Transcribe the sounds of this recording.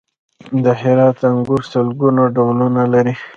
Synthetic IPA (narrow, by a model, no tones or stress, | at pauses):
d̪əɦɪɾɑt̪aŋɡʊɾsəlɡunoɖawlunalaɾi